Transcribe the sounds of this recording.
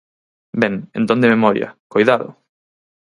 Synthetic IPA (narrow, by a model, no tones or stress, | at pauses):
bɛŋḛnt̪õnd̪ememɔɾj̰ɐ̰kojðaðʊ̰